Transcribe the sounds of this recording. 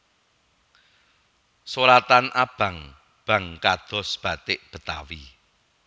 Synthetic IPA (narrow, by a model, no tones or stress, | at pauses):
soɾat̪anʔab̥ä̤ŋ | b̥ä̤ŋkad̪̥ɔ̤sb̥ä̤t̪ɪʔb̥ə̤t̪a̰wi